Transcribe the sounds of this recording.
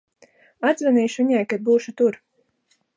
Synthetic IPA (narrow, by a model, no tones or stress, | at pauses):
ad̪zvʲɛniːʃviɲajkad̪̚buːʃut̪uɾ